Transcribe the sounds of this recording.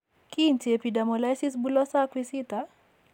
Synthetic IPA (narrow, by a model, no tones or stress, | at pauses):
kint͡ʃepidamɔlajsisbulɔsakwisit̪a